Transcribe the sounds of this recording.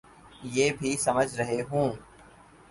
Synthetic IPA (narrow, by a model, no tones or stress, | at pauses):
jeːbʱisɐməd͡ʒʱɾɐɦeɦũː